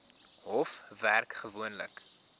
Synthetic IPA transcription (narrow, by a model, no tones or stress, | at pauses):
ɦɔfværkχəvuənlə̰k